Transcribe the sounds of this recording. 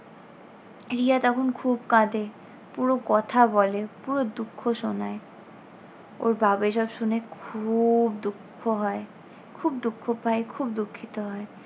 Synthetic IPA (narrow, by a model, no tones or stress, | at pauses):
ɾiat̪ɔkʰonkʰubkãd̪e | puɾokɔt̪ʰabɔlepuɾod̪ukʰːoʃonae | o̰ɾbʱabeʃɔbʃunekʰubd̪ukʰːoɦɔe | kʰubd̪ukʰːopʰaekʰubd̪ukʰːit̪oɦɔe